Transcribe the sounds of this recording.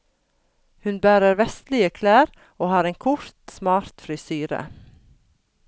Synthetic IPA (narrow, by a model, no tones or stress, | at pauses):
hʉnbæːɾəɾʋɛst̪lɪəkʰlæːɾ | oːhɑːɾeːŋkʰʊɾt̪smɑːɾt̪fɾɪsyːɾə̰